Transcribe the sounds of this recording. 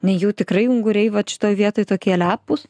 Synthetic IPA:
nʲɛjɛʊt̪ʲɪkrɐɪʊŋɡʊɾʲɛɪʋɐt̪ʃʲɪ̥t̪oːjʋʲiɛt̪oːjt̪oːkʲiɛlʲæːpʊs

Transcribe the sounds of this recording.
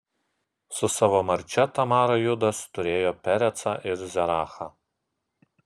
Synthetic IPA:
sʊsɑːʋoːmɐɾʲt͡ʃʲɛt̪ɐmɑːɾojʊd̪ɐst̪ʊɾʲeːjoːpʲɛɾʲɛt̪sɑːʔɪɾzʲɛɾɑːxɑː

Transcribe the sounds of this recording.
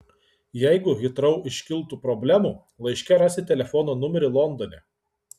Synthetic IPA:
jɛɪɡʊɣʲɪt̪ɾɐʊɪʃʲkʲɪlˠt̪uːpɾɔbʲlʲæmuː | lˠɐɪʃʲkʲɛɾɑːsʲɪt̪ʲɛlʲɛfɔːnoːnʊmʲɛɾʲɪlˠɔnd̪ɔːnʲɛ

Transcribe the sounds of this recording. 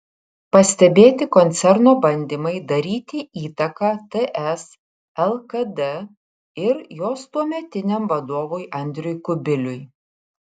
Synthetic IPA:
pɐsʲt̪ʲɛbʲeːt̪ʲɪkɔnʲt̪sʲɛɾnoːbɐnʲd̪ʲiːmɐɪd̪ɐɾʲiːt̪ʲɪʔiːt̪ɐkɑːt̪ɛʔɛs | ɛlˠkɐd̪ɛ | ɪɾjoːst̪uɔmʲɛt̪ʲɪnʲɛmʋɐd̪oːʋoːjʔɐnʲd̪ʲɾʲʊjkʊbʲɪlʲʊj

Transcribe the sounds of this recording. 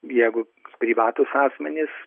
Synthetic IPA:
jɛɪɡʊ | pʲɾʲiːʋɑːt̪ʊsɑːsʲmʲɛnʲɪs

